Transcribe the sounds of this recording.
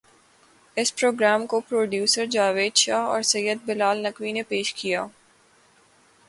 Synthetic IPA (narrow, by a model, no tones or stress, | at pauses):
ɪspɾoːɡɾaːmkopɾoːɖjuːsəɾd͡ʒaːʋeːd̪ʃaːɦɔ̰ːɾsɐjəd̪̚bɪlaːlnɐkʋinepeːʃkʰijaː